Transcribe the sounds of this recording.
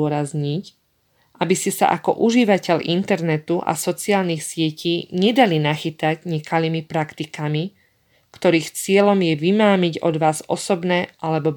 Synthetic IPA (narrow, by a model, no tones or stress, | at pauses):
ɔɾazɲic | ʔabiscɛsa̰ʔakɔ̰ʔuʒiʋacɛʎʔint̪ɛɾnɛt̪uʔa̰sɔt͡siaːlniːxsɪɛcʰiːɲɛd̪alinaxit̪aɟɲɛkaliːmipɾakt̪ikami | kt̪ɔɾiːxt͡sɪɛlɔmjɛʋimaːmiɟɔ̰d̪ʋaːzɔ̰sɔbnɛʔalɛbɔb